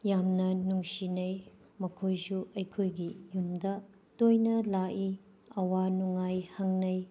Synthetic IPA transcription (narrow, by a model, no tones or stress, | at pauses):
jamnɐnuŋsinɐj | mɐkʰojsuɐjkʰojɡijumdɐ | tojnɐlaʔi | ɐwanuŋajhɐŋnɐj